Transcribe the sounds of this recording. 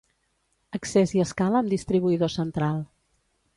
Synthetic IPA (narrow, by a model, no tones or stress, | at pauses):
əkseziəskaləːmd̪ist̪ɾiβ̞uiðosənt̪ɾalˠ